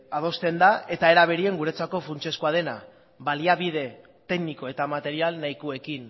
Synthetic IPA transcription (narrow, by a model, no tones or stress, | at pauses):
að̞o̞st̪e̞nd̪ae̞t̪ae̞ɾaβ̞e̞ɾie̞ŋɡuɾe̞t͡sako̞fɾunt͡ʃe̞skuað̞e̞na | baliaβið̞e̞ | t̪e̞ɡniko̞e̞t̪amat̪e̞ɾialnajkue̞kin